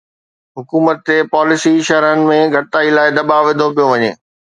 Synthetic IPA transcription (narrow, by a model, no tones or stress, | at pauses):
ɦʊkuːmət̪ːepaːlɪsiʃɐɾənɪ̆mẽɡʱɐɽɪt̪aːilaːɪd̪ɐbaʋɪd̪ʱop̬ijoʋɐɲḛː